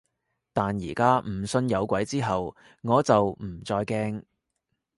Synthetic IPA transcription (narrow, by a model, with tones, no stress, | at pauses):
t̪aː˨njiː˨˩kaː˥m̩˨˩sɵ˧njɐ˨˧wkʷɐ˨˥jt͡siː˥ɦɐ˨w | ŋɔː˨˧t͡sɐ˨wm̩˨˩t͡sɔː˧jkɛː˥ŋ